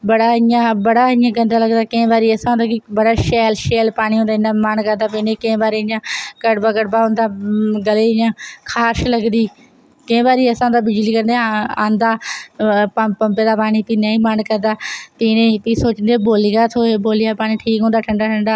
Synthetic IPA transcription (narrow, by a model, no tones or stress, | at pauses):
bɐɽaːɪjãbɐɽaːɪ̃jãːɡə̃nd̪aːləɡd̪aːkẽːʋaːɾiːɐsãõnd̪aːkibəɽaːʃɛːlʃeːlpaːɽ̃iɦõːnd̪aɪ̃nd̪aːmaːnkəɾd̪aːpɪnekɐ̃baːɾiɪɲãːkəɽbaːɡəɽbaːɦõːnd̪aːɡəleɪjãːkʰaːʃlɐɡnd̪iː | kɐ̃ːbaːɾiːɐsãːʊ̃ːnd̪aːbɪd͡ʒliːkəɾnd̪ejaãːnd̪aː | ppɐ̃mped̪aːpaːɽ̃ipiːnaːĩːmaːnkəɾd̪aːpinẽp̪iːsoːt͡ʃənd̪eboːlijaːt̪ʰoːeboːlɪjaːpaːɽ̃iʈʰiːkɦõːnd̪aːʈʰɐɳɖaːʈʰɐɳɖaː